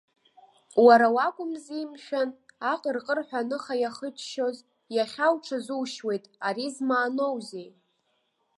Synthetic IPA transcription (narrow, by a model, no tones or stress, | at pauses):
waɾawakʷʼʊmzimʃᶣanaqʼərqʼərħʷᶣanɨχajaχət͡ʃʼʃo̞z | jaχʲawʈ͡ʂʰazuwʃwe̞jtʼaɾizmaːno̞wzej